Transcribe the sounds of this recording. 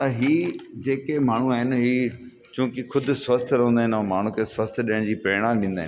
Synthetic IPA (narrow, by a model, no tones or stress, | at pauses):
ɐɦiːd͡ʑeːkemaːɳ̤uaːɦɪnɦiː | t͡ɕũːkɪkʰʊd̪ʱʊ̆sʋɐst̪ʰɾɐɦũnd̪aːɦɪnɐ̃maːɳ̤ũkʰeːsʋɐst̪ʰɗiəɽ̃d͡ʑiːpɾɪɽ̃aːmɗĩːnd̪aːɦɪn